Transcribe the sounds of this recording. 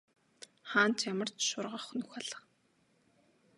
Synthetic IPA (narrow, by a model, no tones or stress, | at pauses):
χaːntjamə̆r̥tʃʊrʁə̆χnɵxaɮə̆χ